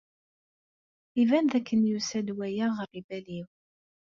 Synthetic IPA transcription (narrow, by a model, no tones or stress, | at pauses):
ivænðækːənjusæd̪wæjæʁərːibæliw